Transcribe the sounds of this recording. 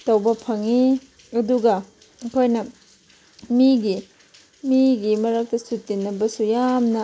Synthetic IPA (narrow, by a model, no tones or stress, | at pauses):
tɐwbɐpʰɐŋi | ɐduɡɐ | kʰojnɐ | miɡi | miɡimɐɾɐk̚tɐsutinːɐbɐsujamnɐ